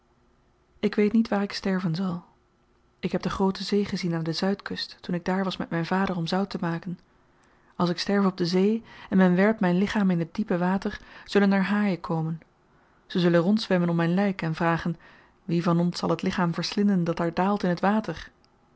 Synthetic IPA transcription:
ɪkʋejtnitʋaːɹɪkstɛɹvənzɑlˠ | ɪkɦɛb̚dəχrowtəzejχəzinaːndəzœɥtkɵstːunɪɡ̚daːɹʋɑsmɛtmɛjnvaːdəɹɔmzʌwtəmaːkən | ɑlˠsɪkstɛɹvəɔb̚dəzejɛnmɛnʋɛɹpmɛjnlɪχaːmɪnɦət̚dipəʋaːtəɹz̥ɵlənaːɹɦaːjəkʰowmən | z̥əzɵlənrɔntsʋɛmənɔpmɛjnlɛjkɛnvraːχən | ʋivɑnɔnsɑ̰lˠɦətlɪχaːmvəɹslɪndəndɑtaːɹdaːlˠtɪnɦətʋaːtəɹ

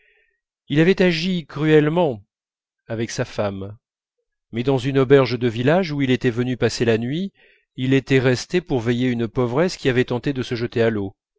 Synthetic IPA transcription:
ilavɛt̪aʒikχyɛlmɑ̃ | avɛksafam | ɛd̪ɑ̃zynɔbɛʁʒd̪əvilaʒuilet̪ɛvənypaselanɥi | ilet̪ɛʁɛst̪epuʁvejeynpɔvʁɛskʲiavɛt̪ɑ̃t̪ed̪əsəʒət̪ealo

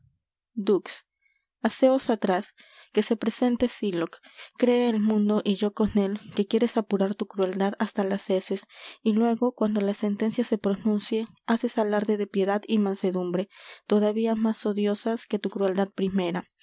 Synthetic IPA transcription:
d̪uks | ase̞o̞sat̪ɾas | ke̞se̞pɾe̞se̞nt̪e̞silokːɾe̞ːlmũnd̪o̞ʔiʝo̞ko̞ne̞lke̞kje̞ɾe̞sapuɾaɾt̪ukɾue̞ld̪aðast̪alase̞se̞silwe̞ɣo̞kwand̪o̞lase̞nt̪e̞nsjase̞pɾo̞nũnsje | ase̞salaɾt̪e̞ðe̞pje̞ðaðimãnse̞ðumbɾe̞t̪o̞ðaβiamaso̞ðjo̞saske̞t̪ukɾue̞ld̪að̚pɾime̞ɾa

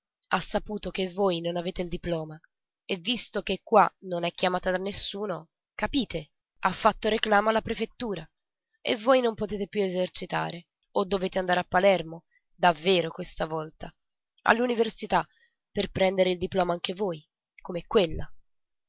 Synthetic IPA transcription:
asːapuːt̪okevːoːjnonaveːt̪eild̪iplɔːma | evːist̪ok̟ekːwanonɛkːjamaːt̪ad̪anːesːuːno | kapiːt̪e | afːat̪ːoɾeklaːmoalːapɾefet̪ːuːɾa | ḛvːoːjnompot̪eːt̪epjuezert͡ʃit̪a̰ːɾe | od̪ːoveːt̪eand̪aːɾeapːalɛrmo | d̪avːeːɾokwest̪avɔlt̪a | a̰lːuniversit̪a | perpɾɛnd̪eɾeild̪iplɔːmaaŋk̟evoːj | komeɛkːwelːa

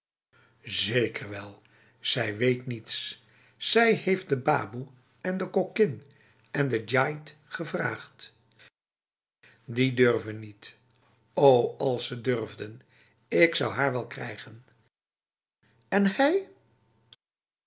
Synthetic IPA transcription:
zejkʰərʋɛlˠ | z̥ɛjʋejtnits | sɛjhejft̚dəbaːbu | ɛndəkɔkɪn | ʔɛndəd͡ʒajtχəvra̰ːχt | didørvənːit | owɑlˠsədørvdən | ɪksɑwɦaːɹʋɛlˠkrɛ̰jχən | ɛnɛj

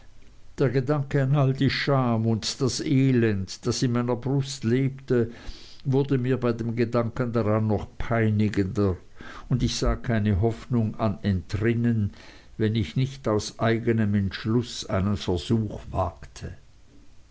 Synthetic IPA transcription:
d̥eːɐɡədaŋkəanaldiʃaːmʊntd̥asʔeːlɛndd̥asɪnmaɪnɐbʁʊstleːptəvʊɐdəmiːɐbaɪdeːmɡədaŋkəndaʁanːɔχpʰaɪnɪɡəndə | ʊndɪçz̥aːkʰaɪnəɦɔfnʊŋanɛntʁɪnən | vɛnɪçnɪçtaʊsʔaɪɡənəmɛntʃlʊsa̰ɪnənfɛɐzuːxv̥a̰ːktʰə

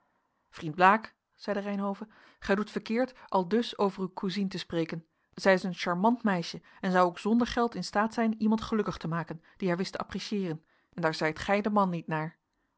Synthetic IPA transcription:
frind̚blaːk | z̥ɛjdərɛjnɦowvə | χɛjdutfəɹkɪːɹtʔɑlˠdɵsowvərywkʰuzintəsprejkən | z̥ɛjɪsənʃɑɹmɑntmɛjʃəɛnzɑwowkz̥ɔndəɹχɛlˠtɪnstaːtsɛjnimɑntχəlɵkəχtəmaːkən | d̥iɦaːɹʋɪstəʔɑ̰priʃjɪːrən | ɛndaːɹzɛjtχɛjdəmɑnːitnaːɹ

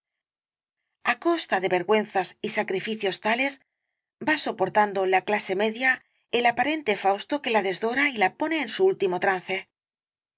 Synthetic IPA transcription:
ako̞st̪aðe̞βe̞ɾɣwe̞n̟θasisakɾifiθjo̞st̪ale̞s | baso̞po̞ɾt̪and̪o̞laklase̞me̞ðja | e̞lapaɾe̞nt̪e̞fawst̪o̞ke̞laðe̞zðo̞ɾailapo̞ne̞ːnsuult̪imo̞t̪ɾan̟θe̞

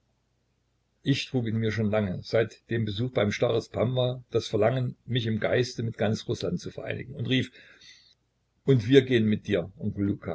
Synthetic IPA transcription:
ʔɪçtʁ̥uːkɪnmiːɐʃ̬oːnlaŋəz̥aɪtd̥eːmbəzuːxb̥aɪmʃtaʁəspʰamvad̥asfɛɐlaŋənmɪçɪmɡaɪstəmɪt̚ɡ̥ant͡sʁʊslant̚t͡sufɛɐʔa̰ɪnɪ̰ɡŋ̩ʊntʁiːf | ʔʊntv̥iːɐɡeːənmɪt̚d̥iːɐʔʊŋkoluːkʰa̰ː

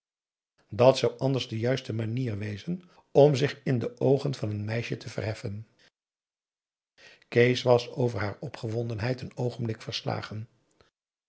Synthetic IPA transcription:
dɑtsɑwʔɑndəɹzdəjœɥstəmaniːɹʋejzən | ɔmzɪχɪndəʔowχənvɑnənmɛjʃətʰəvə̰rɦɛfən | kejsʋɑsowvəɹɦaːɹɔpχəʋɔndənɦɛjtənowχənblɪkfəɹsla̰ːχən

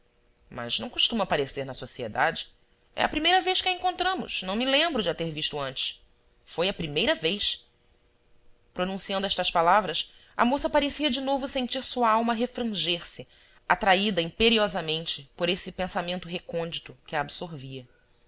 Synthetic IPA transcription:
mɐ̰znɐ̃w̃kuʃt̪ũmɐpaɾeseɾnɐsosiḛd̪a̰d͡ʒɪ | ɛ̰ɐpɾimejɾɐvejʃkɪɐẽŋkõnt̪ɾɐ̃mʊ̰ʃnɐ̃w̃mɪlẽmbɾʊd͡ʒɪat̪eɾviʃt̪ʊɐ̃nt͡ʃɪ̥ʃ | fojɐpɾimejɾɐvejʃ | pɾonũsiɐ̃nd̪ʊɛʃt̪ɐʃpalavɾɐs | ɐ̰mosɐpaɾesiɐd͡ʒɪnovʊsẽnt͡ʃiɾsuɐawmɐɦefɾɐ̃ʒeɾsɪ | at̪ɾaid̪ɐĩpeɾiɔzɐmẽnt͡ʃɪpoɾesɪpẽsamẽnt̪ʊɦekõnd͡ʒit̪ʊkɪɐːbsoɾviɐ

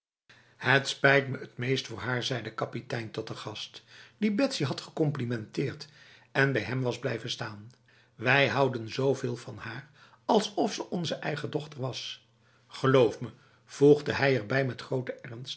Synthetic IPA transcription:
hətspɛjtməətmejstfʊːɹɦaːɹzɛjdəkɑpitɛjntɔt̚əχɑstd̥ibɛtsiɦɑtχəkɔmplimɛntɪːɹt | ɛnbɛjɦɛmʋɑzblɛjvənstaːn | ʋɛjɦʌwdənzowvɪːlˠvɑnhaːɹ | ɑlˠsɔfsəʔɔnzəʔɛjχədɔχtəɹʋɑs | χəlowfmə | v̥ulˠχdəɦɛjɛɹbɛjmɛtχrowtəʔɛrnst

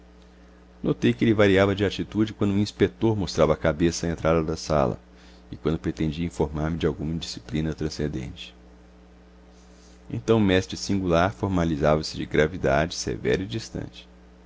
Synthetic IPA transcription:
not̪ejkɪelɪvaɾiavɐd͡ʒɪat͡ʃit̪ud͡ʒɪkwɐ̃nd̪ʊũĩspek̚t̪oɾmost̪ɾavɐːkabesɐaẽnt̪ɾad̪ɐd̪ɐsa̰lɐ̰ | ɪkwɐ̃nd̪ʊpɾet̪ẽd͡ʒiɐĩfoɾmaɾmɪd͡ʒɪawɡũmɐd͡ʒisi̥plĩnɐt̪ɾɐ̃sẽnd̪ḛ̃nt͡ʃɪ̥ | ḛ̃nt̪ɐ̃w̃mɛst̪ɾɪsĩŋɡulaɾfoɾmalizavɐsɪd͡ʒɪɡɾavid̪a̰d͡ʒɪsḛvɛ̰ɾɐid͡ʒist̪ɐ̰̃t͡ʃɪ̥

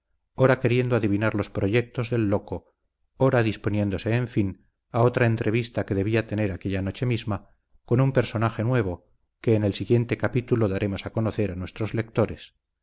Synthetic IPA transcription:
oɾake̞ɾje̞nd̪oaðiβinaɾlo̞spɾoʝe̞k̚t̪o̞zðe̞lːo̞ko̞ | oɾaðispo̞nje̞nd̪ose̞ːɱfin | ao̞t̪ɾae̞nt̪ɾe̞β̞ist̪ake̞ðe̞β̞iat̪e̞ne̞ɾakeʎano̞t͡ʃe̞mizma | ko̞numpe̞ɾso̞naxe̞nwe̞β̞o̞ | ke̞ːnelsiɣje̞nt̪e̞kapit̪uloðaɾʔe̞mo̞sako̞no̞θe̞ɾanwe̞st̪ɾozle̞k̚t̪o̞ɾe̞s

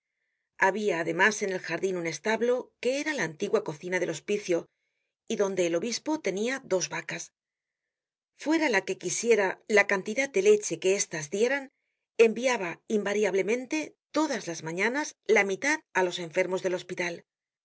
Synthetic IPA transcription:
aβiaːðe̞mase̞ne̞lxaɾðinune̞st̪aβlo̞ke̞eɾalaːnt̪iɣwako̞θinaðe̞lo̞spiθjo̞ | iðo̞nd̪e̞ːlo̞βispo̞t̪e̞niaðo̞zβakas | fwe̞ɾalake̞kisje̞ɾalakant̪iðat̪̚d̪e̞let͡ʃe̞ke̞e̞st̪azðje̞ɾan | e̞mbiaβaimbaɾjaβle̞mẽ̞nt̪e̞t̪o̞ðazlazmãɲãnazlamit̪aðalo̞se̞ɱfe̞ɾmo̞zðe̞lo̞spit̪al

